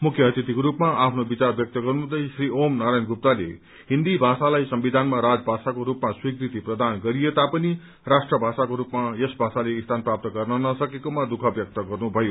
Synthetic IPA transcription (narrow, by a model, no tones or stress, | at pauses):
mukʰjʌʌt̪it̪ikoɾupmaapʰnobit͡sarbjʌk̚t̪ʌɡʌrnud̪ʌjsriomnaɾajnɡup̚t̪alḛ | ɦind̪ibʱasalajsʌmbid̪ʱanmaɾad͡zbʱasakoɾupmaswikrit̪iprʌd̪ʱanɡʌɾijet̪apʌni | rasʈrʌbʱasakoɾupmajʌsbʱasaleist̪ʰanprap̚t̪ʌɡʌrnʌnʌsʌkekomad̪ukʰʌbjʌk̚t̪ʌɡʌrnubʱʌjo